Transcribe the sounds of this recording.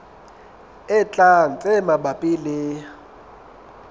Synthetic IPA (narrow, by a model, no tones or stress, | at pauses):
ɪt͡ɬʼan̩t͡sʼɛmabapʼilɪ